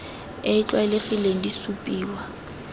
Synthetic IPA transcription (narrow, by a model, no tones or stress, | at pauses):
et͡ɬʼwalɪfileŋ̩disupʼiːwa